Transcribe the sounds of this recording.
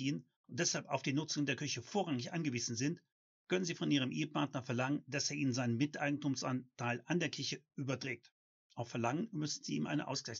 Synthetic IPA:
iːən | ʔʊntd̥ɛshalpa̰ʊfd̥iːnʊt͡sʊŋəndeːɐkʰʏçəfoːɐʁaŋɪçʔa̰nɡəviːzn̩zɪnt | kʰœnənziːfɔnʔiːʁ̞əmʔeːəpaɐtnɐfɛɐlaŋənd̥aseːɐʔiːnənzaɪnənmɪtʔa̰ɪɡŋ̩tuːmsʔa̰ntʰaɪlʔandeːɐkʰɪɐçəʔyːbɐdʁɛːk̚t | ʔaʊfɛɐlaŋənmʏsn̩ziːmʔa̰ɪnə̰ʔa̰ʊsɡ̥laɪ

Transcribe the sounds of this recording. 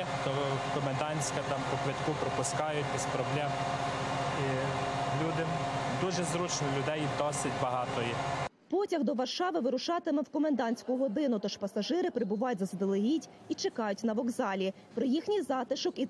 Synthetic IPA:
t̪ɔ | kɔmend̪ɑnʲsʲkɐt̪ɑmpɔplɐtʲkʊpɾɔpʊskɑjʊtʲispɾɔblʲɛ | i | lʲud̪ɪd̪uʒɛzɾut͡ʃnɔlʲʊd̪ɛjd̪ɔsɪtʲbɐɦɑt̪ɔji | pɔtʲɐɣd̪ɔʋɐrʃɑʋɪʋɪɾʊʃɑt̪ɪmɛwkɔmend̪ɑnʲsʲkʊɦɔd̪ɪnʊt̪ɔʃpɐsɐʒɪɾɪpɾɪbʊʋɑjʊtʲzɐzd̪elˠɪɦʲitʲ | it͡ʃekɑjʊtʲnɐʋɔɡzɑlʲi | pɾɔjixnʲijzɑt̪ɪʃɔki

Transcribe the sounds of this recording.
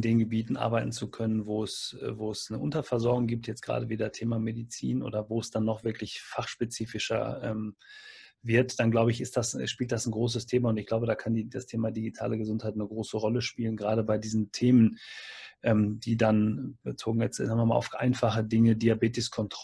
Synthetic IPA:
ndeːnɡəbiːtn̩ʔa̰ɐbaɪtn̩t͡sukʰœnənvoːɛsvoːɛsnəʔʊ̰ntɐfɛɐzɔɐɡʊŋɡiːp̚tʰjɛt͡stɡ̥ʁa̰ːdəveːdɐtʰeːmamedit͡sḭːnʔo̰ːdɐvoːɛsd̥anːɔχv̥ɪɐklɪçfaχʃpet͡siːfɪʃɐ̰ʔɛ̰ːm | vɪɐtd̥anɡlaʊbəɪçɪstd̥asʃpiːlt̚d̥asn̩ɡʁoːs̬əstʰeːmaʊntɪçɡ̥laʊbədaːkʰandidastʰeːmadiɡitʰa̰ːləɡəzʊnthaɪtnəɡʁoːsəʁɔləʃpiːlənɡʁaːɾəbaɪdiːzn̩tʰeːmənʔɛːmd̥iːdanbət͡soːɡŋ̩jɛt͡snaŋvɪɐmaːlʔa̰ʊfʔa̰ɪnfaχədɪŋədiabeːtɪskʰɔntʁ

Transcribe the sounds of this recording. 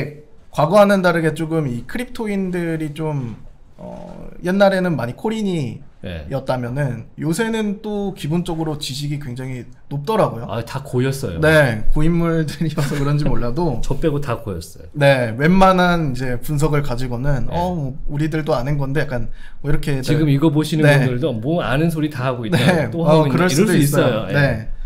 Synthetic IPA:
e | kwaɡʌɦanɯndaɾɯɡe̞t͡ɕ͈oɡɯmikʰɯɾip̚tʰoindɯɾit͡ɕom | ʌ̰je̞nːaɾe̞nɯnmaɲikʰoɾiɲḭ | jʌt̚t͈amjʌnɯnjosʰe̞nɯnt͈okibont͡ɕ͈ʌɡɯɾot͡ɕiɕ̬ʰiɡikwe̞ŋd͡ʑaŋi | nop̚t͈ʌɾaɡojoa̰takojʌs͈ʌjo̰ne̞koimːuɭdɯɾiʌsʰʌkɯɾʌnd͡ʑimoɭːadot͡ɕʌp͈eɡotakojʌs͈ʌjone̞wenmananid͡ʑe̞puns̬ʰʌɡɯɭkad͡ʑiɡonɯnʌmʌuɾidɯɭt͈oanenɡʌndejak͈an | ʌiɾʌkʰe̞tt͡ɕiɡɯmiɡʌb̬oɕʰinɯneundɯɭdomʌanɯnsʰoɾitaɦaɡoinet͈oaʌkɯɾʌɭisdois̬͈ʌʌjojoe̞

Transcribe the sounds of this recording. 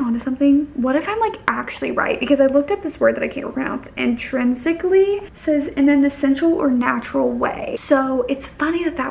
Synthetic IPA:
ɑ̃ntɨsʌ̃mθɪ̃ŋwʌɾɨfãɪ̃mlaɪkʔæk̚t͡ʃʉl̩ˠiɹa̰ɪt̚b̥ɨkʰʌzaɪlʊk̚tʌt̪̚ðɪswɜ˞d̪̚ðɨɾaɪkʰẽɪ̃mtəpʰɹnã̰ʊ̃nsɨ̃ntʰɹ̥ɪ̃nzɨklisɛzɪ̃nɨ̃nɨsɛ̃nʃl̩ˠə̰˞næt͡ʃɹl̩ˠwḛɪsoʊʔɨtsfʌniðɨt̪̚ðɨ

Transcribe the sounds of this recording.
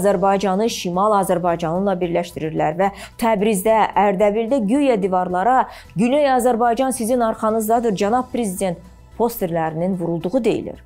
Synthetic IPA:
zæɾbɑjd͡ʒɑnɯʃimɑlˠɑzæɾbɑjd͡ʒɑnɯnlˠɑbiɾlæʃt̪iɾiɾlæɾvæ | t̪ʰæbɾizd̪ææɾd̪æbild̪æɡyjæd̪ivɑɾlˠɑɾɑ | ɡynøjɑzæɾbɑjd͡ʒɑnsizinɑɾχɑnɯzd̪ɑd̪ɯɾd͡ʒænɑb̚pʰɾe̞zid̪ʲe̞nt̪ | pʰo̞st̪e̞ɾlæɾininvuɾulˠd̪uʁud̪e̞jḭlḭɾ̥

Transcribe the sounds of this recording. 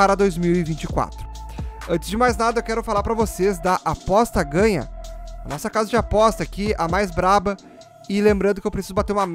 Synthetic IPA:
aɾɐd̪ojzmiwɪvĩnt͡ʃɪ̥kwa̰t̪ɾʊ̥ | ɐ̃t͡ʃɪzd͡ʒɪmajznad̪ɐewkɛɾʊfalaɾpɾɐvosezd̪ɐʔapɔst̪ɐɡɐ̃ɲɐ̰ɐnɔsɐkazɐd͡ʒɪapɔst̪ɐakiamajzbɾabɐ | ɪlẽmbɾɐ̃nd̪ʊkɪewpɾesizʊbat̪eɾumɐm

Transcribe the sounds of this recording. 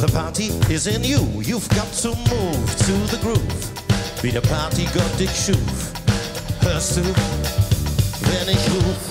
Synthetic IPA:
ðəpʰɑɹɾiɪzɪ̃njəjuvɡɑtʰɨmuv̥tʰɨðəɡɹup | b̥iɾəpʰɑɹɾiɡɑt̚d̥ɪkʃuv | hʰɜ˞su | ðɨ̃nɪu

